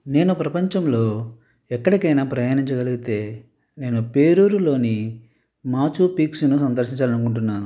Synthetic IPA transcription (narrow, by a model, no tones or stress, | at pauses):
ne̞ːnupɾɐpɐɲt͡ʃɐmlo̞ː | ɛkːɐɽikɐjnaːpɾɐjaːniɲt͡ʃɐɡɐliɡit̪e̞ː | ne̞ːnupe̞ːɾuːɾulo̞ːni | maːt͡ʃupiːksunusɐnd̪ɐɾʃiɲt͡ʃaːlɐnukuɳʈunːaːnu